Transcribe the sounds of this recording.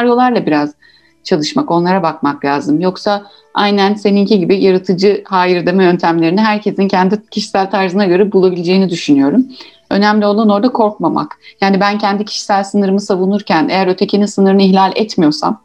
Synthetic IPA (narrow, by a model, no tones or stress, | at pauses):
aɾjo̞lˠaɾlˠabiɾaz̥ | t͡ʃʰalˠɯʃmako̞nlˠaɾabakmaklʲaːzɯmjo̞ksa | ʔajnænse̞niŋcʰiɟibijaɾat̪ʰɯd͡ʒɯhaːjɯɾd̪emɛø̞nt̪ʰæmlʲe̞ɾiniɦæɾcʰe̞sincʰɛnd̪icʰiʃi̥sælʲt̪ʰaɾzɯnaɟø̞ɾɛbulˠabilʲd͡ʒe̞jinid̪yʃynyjo̞ɾum | ø̞̰næmlʲio̞lˠano̞ɾd̪akʰo̞ɾk̚mama̰kjaːnibæncʰɛnd̪icʰi̥ʃi̥sælʲsɯnɯɾɯmɯsavunuɾcʰæne̞̰jæɾø̞t̪ʰe̞cʰininsɯnɯɾɯnɯiçlʲalʲɛ̰t̪mijo̞sa̰m